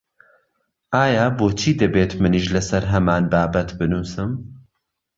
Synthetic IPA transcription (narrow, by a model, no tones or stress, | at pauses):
ʔaːjaːboːt͡ʃʰiːd̪ɐbeːt̪mɨniʃlɨsɐɾɦɐmaːnbaːbɐt̪bɨnuːsɨm